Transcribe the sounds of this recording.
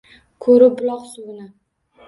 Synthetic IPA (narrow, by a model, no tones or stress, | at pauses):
kʰɵɾɪbʊlˠɒqsʊɡɪna